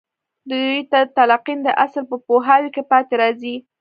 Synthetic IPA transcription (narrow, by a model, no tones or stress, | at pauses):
d̪əd̪ujt̪at̪alaqind̪əʔaslpəpoɦawkepɑt̪eɾɑzi